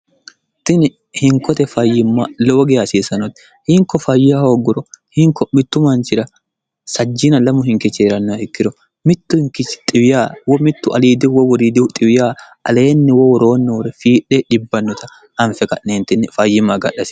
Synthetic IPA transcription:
t̪ɪnɪ | hɪŋkɔt̪ɛfɐjːɪmːaloːɡeɐsiːsɐnɔt̪ | hɪŋkɔfɐjɪahoːɡːʊɾɔhɪŋkɔmɪt̪ːʊmɐnt͡ʃɪɾɐ | sɐd͡ʒːɪnɐlɐmʊɦɪŋkɪt͡ʃːeːɾɐnːɔɪkːɪɾɔ | mɪt̪ːʊhɪŋkɪt͡ʃːt̪ʼɪwɪjaːwɔmɪt̪ːʊɐliːd̪ɪwɔwɔɾid̪ɪt̪ʼɪwɪjaː | ɐ̰le̞ːnːɪwɔwɔɾo̞ːnːɛwɔɾɛfiːᶑeᶑɪbːɐnːɔt̪ɐ | ɐnfɛkɐ̰ʔneːnt̪ɪnɪfɐjːɪmɐɡɐ̰ɗɐsɪ̥

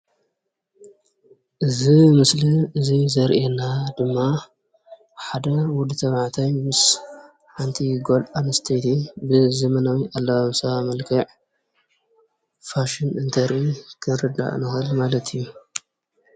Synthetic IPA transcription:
ʔɨzimɨsliɨzizɐɾʔenad̪ɨmːa | ħad̪ɐwʊd̪ɨt̪ʰɐβʕt̪ʰajmɨs | ħant̪ʰiɡolanɨst̪ʰɐjt̪ʰibɨzɐmɐnawiʔalːɐβaβsɐβamɐlkʰɐʕ | faʃɪnɨnt̪ʰɐɾʔikʰɨnɾɨd̪a̰ʔnɨxɨlmalɐt̪ʰɨjːu

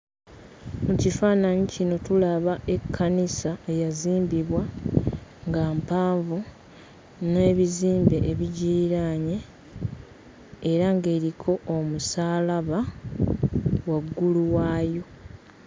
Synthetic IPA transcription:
mucifaːnaɲicino̞tulaβaʔe̞kʰːanisaejaziːmbiβwa | ŋɡaːmpaːɱvu | ne̞ːβiziːmbe̞ʔeβiɟiːɾaːɲe | ɾaŋɡe̞ːɾikʰo̞ʔomusaːlaβa | waɡːuluwaːjo̞

